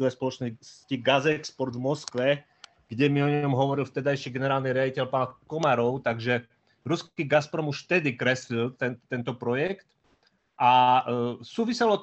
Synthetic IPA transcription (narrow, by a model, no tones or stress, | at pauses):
ɔʋɛspɔlɔt͡ʃnɔsciɡazɛkspɔɾd̪vmɔskʋɛ | ɡ̥ɟɛmiɔɲɔmɦɔʋɔɾilft̪ɛd̪ajʃiːɡɛnɛɾaːlniɾɪaɟicɛlpaːnkɔmaɾɔʊt̪aɡʒɛ | ɾuskiːɡaspɾɔmuʃft̪ɛd̪ikɾɛslilt̪ɛnt̪ɛnt̪ɔpɾɔjɛkt̪ | ʔa | suːʋisɛlɔ